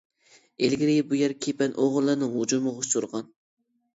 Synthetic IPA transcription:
elɡʲiɾɪbujɛɾkʲʰepɛnʔoʁʊlˠːɨɾnɨŋud͡ʒumɨʁʊʃt̪uɾʁɑn

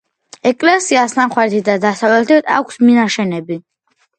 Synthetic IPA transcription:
ɛkʼlɛsiasnamχwɛɾt̪ʰid̪ad̪asavlɛlt̪ʰit̪ʰʼa̰kʷʰsminaʃɛnɛbi

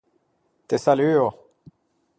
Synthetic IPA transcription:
t̪esalyːʁ

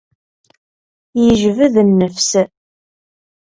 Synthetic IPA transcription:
jəʒvəðənːəfs

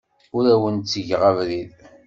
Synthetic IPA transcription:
ʊɾæwənt͡sːəʝʁavɾið

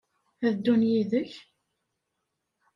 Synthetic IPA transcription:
æðəd̪ːunjiðəç

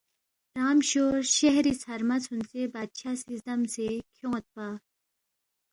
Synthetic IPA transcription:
ɾaːmɕoːɾʃeɦɾiːsɐɾmɐt͡sʰunt͡sebaːd̪ɕaːsisd̪ɐmsekʰjõːt̪̚paː

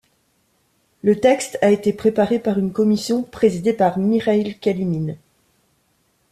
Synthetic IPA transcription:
lət̪ɛkst̪aet̪epχepaʁepaʁynkɔmisjɔ̃pχezid̪epaʁmiʁailkʲalimin

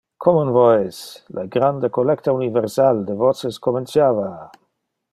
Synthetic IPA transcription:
kʰɔmonvɔjslʔaɡɾand̪əkolɛkt̪aunivɛɾsald̪əvɔt͡səskoment͡sjava

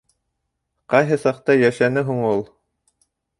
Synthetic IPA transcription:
qɑjɦɤsɑqt̪ɑjæʃænɘɦuɴulˠ

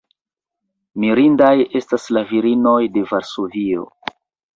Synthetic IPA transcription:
miɾindaje̞staslaviɾino̞jde̞vaɾso̞vio̞̰

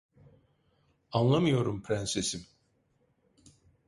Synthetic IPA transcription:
anlˠamɯjo̞ɾumpʰɾænsesim

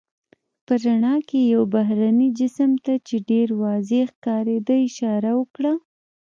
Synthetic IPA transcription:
pəɾaɳɑkejawbaɦɾanid͡ʒɪsəmt̪at͡ʃeɖeɾwɑzexkɑɾed̪əɪʃɑɾawəkɽa

